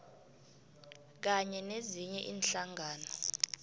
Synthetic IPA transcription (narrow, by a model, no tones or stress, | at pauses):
k̬aɲɛneziɲɛʔiːnɬaŋaːnɔ